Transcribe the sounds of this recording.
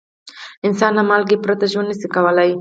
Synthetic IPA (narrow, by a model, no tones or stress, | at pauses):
ɪnsɑnamɑlɡepɾat̪aʒonasikawəlaj